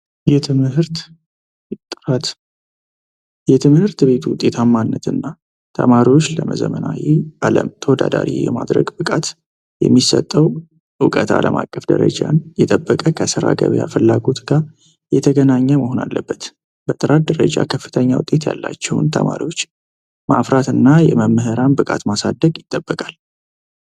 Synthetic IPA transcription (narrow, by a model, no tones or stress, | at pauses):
jɛt̪ʰɨmɨhɨɾt̪ | et̪ʼːɾat̪ | jɛt̪ʰɨmhɨɾt̪be̞t̪ʰwʊt̪ʼːe̞t̪ʰamːanːət̪ɨnːa | t̪ʰəmaɾiwot͡ʃːləməzəmənajiʔaləmt̪ʰəwɔd̪ad̪aɾḭjɛmad̪ɾəɡbɨkʼat̪ | jɛmːisət̪ʼːəw | ʔɨwkʼət̪ʰaləmʔakʼːəfd̪əɾə̰d͡ʒanjɛt̪ʼəbːəkʼəkʰəsɨɾaɡəβjafɨlːaɡo̞t̪ɡa | jɛt̪ʰəɡənaɲːəməɦonalːəbːət̪ | bət̪ʼɨɾat̪̚d̪əɾəd͡ʒakʰəfːɨ̥t̪ʰəɲːawʊt̪ʼːe̞t̪ja̰lːat͡ʃːɛwʊnt̪ʰə̰maɾiwo̞t͡ʃː | mafɾat̪ɨnːajɛməmːɨɦɨɾanbɨkʼat̪masad̪əɡjɪt̪ʼːəbːəkʼal